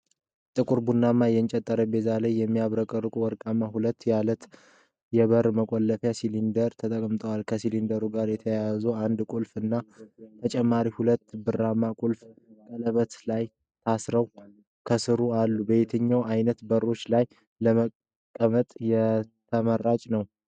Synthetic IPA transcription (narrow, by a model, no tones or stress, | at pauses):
t̪ʼɨkʼuɾbunːamːajɛnt͡ʃʼɛt̪ʼːəɾəbe̞zaləjːɛmːijaβɾəkʼərːɨkʼuwɔɾkʼamːahulət̪ːjalət̪ | jɛβəɾməkʼolːəfjasilind̪əɾt̪ʰət̪ʼəkʼmɨt̪ʼʰəwalkʰəsilind̪əɾuɡaɾjɛt̪ʰəjazuand̪kʷʼulfɨnːat̪ʰət͡ʃʼɛmːaɾihulət̪ːbɨrːamːakʼulfkʼələβət̪laj | t̪ʰasɾəw | kʰəsɨɾualːubet̪ʰəɲːawajnət̪bəɾːo̞t͡ʃːlaj | ləmə | kʼːəmət̪ʼjɛt̪ʰəmərat͡ʃʼnəw